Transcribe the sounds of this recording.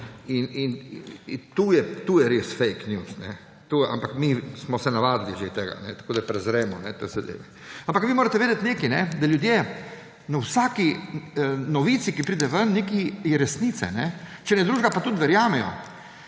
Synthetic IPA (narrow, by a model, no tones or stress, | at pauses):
inin | t̪uːjɛt̪uːjɛɾesfɛjknjuːsnɛ̰ | t̪uʔa̰mpakmismɔsɛnaʋaːd̪liʒet̪eːɡa̰nɛt̪ḁkoːd̪apɾɛzɾɛːmɔnɛt̪ḛːzɐd̪ḛːʋɛ | ampakʋimoːɾat̪ɛʋeːd̪ɛt̪neːkinɛd̪aljud̪je | nɐwsaːki | nɔʋiːt̪sikipɾiːd̪ɛʋənnekiɾɛsnit̪sɛ̰nɛt͡ʃɛnɛd̪ɾuːʒɡapat̪ut̪ʋɛɾjaːmɛjɔ̰